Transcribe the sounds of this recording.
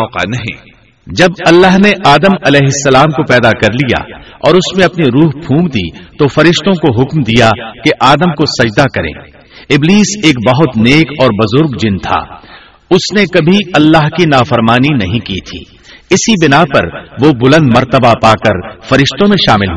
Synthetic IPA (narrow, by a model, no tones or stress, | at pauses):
ɔːqa̰nɐɦḭ̃ː | d͡ʒɐbɐlːaːɦneʔaːd̪əmɐlɛːɦɪsːɐlaːmkopɛːd̪akɐɾlija̰ɔ̰ːɾʊsmẽɐpniɾuːɦbʱʰũːɡ̚d̪ḭt̪ofɐɾɪʃt̪õkoɦʊkmd̪ijakeʔaːd̪əmkosɐd͡ʒd̪akɐɾḛ̃ː | ɪbliːseːkbɐɦʊt̪neːkɔːɾbɐzʊɾɡd͡ʒɪnt̪ʰa̰ː | ʊsnekɐbʱiɐlːaːɦkinaːfɐɾmaːninɐɦĩkiːt̪ʰḭː | ɪsibɪnapɐ̰ɾʋobʊlə̃nd̪mɐɾt̪əbapaːkɐɾfɐɾɪʃt̪õmẽʃaːmɪlɦ